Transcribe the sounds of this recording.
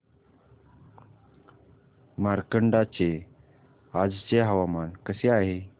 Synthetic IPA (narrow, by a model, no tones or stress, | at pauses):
maɾkəɳɖat͡ɕe | ad͡zt͡ɕeɦaʋamankəseaɦe